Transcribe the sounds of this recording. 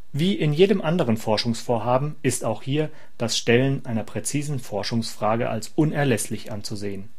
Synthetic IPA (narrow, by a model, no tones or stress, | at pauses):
viːʔɪnjeːdəmʔandəʁ̞ənfɔɐʃʊŋsfoːɐɦaːbm̩ɪstaʊxhiːɐ | d̥asʃtɛlənʔaɪnɐpʁ̥ɛt͡siːzn̩fɔɐʃʊŋsfʁ̥aːɡə̰ʔa̰lsʔʊnɛɐlɛslɪçʔant͡suzeːən